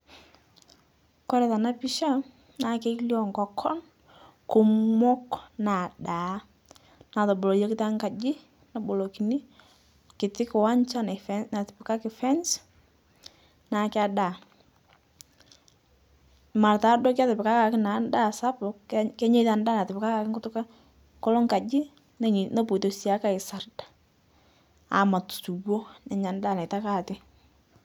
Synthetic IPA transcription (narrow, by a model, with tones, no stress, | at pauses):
kɔ˦ɾɛ˨ta˨na˦pi˦ʃa˦ | na˨˦ke˦kljɔ˨ŋkɔ˨kʰɔ˦n | kʊ˨mʊ˦kna˨da˨˦ | na˨tɔ˨bo˨lo˨je˦kɪ˦ta˦ŋka˨d͡ʒɪ˦ | na˨bo˨lo˨ki˨ni˦ | kɪ˨tɪ˦kɪ˨wa˦nt͡ʃa˦na˨fɛ˦na˨tɪ˨pɪ˨ka˦kɪ˨fɛ˦ns | na˨kɪ˦a˦da˨ | ma˨ɾta˨˦dɔ˦ka˦tɪ˨pɪ˨ka˦ka˨kɪ˦na˨˦nda˦sa˦pʊ˨kɛ˦ɲe˦ta˨nda˦na˨tɪ˨pɪ˨ka˦ka˨kɪ˦ŋʊ˦tʊ˦ka˦ | ŋkɔ˦lɔ˦ŋka˨d͡ʒɪ˦ | n˨no˦po˨to˨si˨a˦ka˦˨ɪ˨sa˨rdḁ˨ | a̰˨ma˨tu̥˨su˨bo˦na˨ɲa˨nda˦˨na˨ta˦ka˨tɪ˦